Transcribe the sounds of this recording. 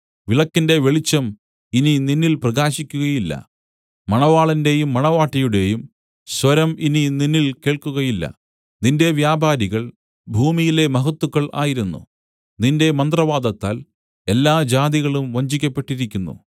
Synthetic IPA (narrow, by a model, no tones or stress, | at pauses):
ʋiɭɐkːinde̞ʋe̞ɭit͡ɕːɐm | inininːilprɐɣaːɕikʲːuɣɐjilːɐ̰ | mɐɳɐʋaːɭɐnde̞jumːɐɳɐʋaːʈːɐjuɽe̞jum | swɐɾɐminininːilke̞ːɭkuɣɐjilːɐ̰ | ninde̞ʋjaːbʱaːɾiɣɐɭ | bʱuːmijile̞mɐɦɐt̪ːukːɐɭʔa̰ːjiɾunːṵ | ninde̞mɐnd̪rɐʋaːd̪ɐt̪ːa̰ːl | e̞lːaːd͡ʑaːd̪iɣɐɭumʋɐɲd͡ʑikʲːɐpːe̞ʈːiɾikʲːunːṵ